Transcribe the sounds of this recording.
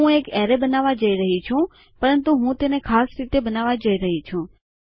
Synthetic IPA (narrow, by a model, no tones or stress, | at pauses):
ũekɛɾebənaʋad͡ʒəiɾəɦit͡ʃʰũ | pəɾənt̪uɦũt̪enekʰasɾit̪ebənaʋad͡ʒəiɾəɦit͡ʃʰũ